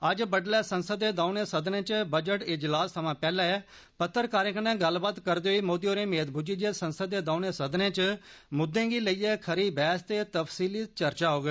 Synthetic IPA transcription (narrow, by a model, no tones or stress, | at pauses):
əd͡ʒbəɖlɛːsənsəd̪ːeːd̪aːʊneːsəd̪nẽːt͡ʃbəd͡ʒəʈɪd͡ʒlaːsːəmãːpɛːlaːɛː | pət̪ʰːəɾkaːɾẽːknɛ̃ːɡəlbaːt̪kəɾd̪eːɦoiːmoːd̪iːoːɾeːmeːt̪̚bʱʊd͡ʒiːd͡ʒeːsənsəd̪ːeːd̪ãːʊnẽːsəd̪nẽːt͡ʃmʊd̪ẽːɡiːləiːɛːkʰəɾiːbɛːst̪eːt̪əfsiːliːt͡ʃəɾt͡ʃaːɦoːɡeː